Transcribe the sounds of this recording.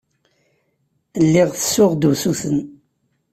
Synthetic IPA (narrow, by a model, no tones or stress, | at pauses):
lːɪʁθə̥sʊʁd̪usuθən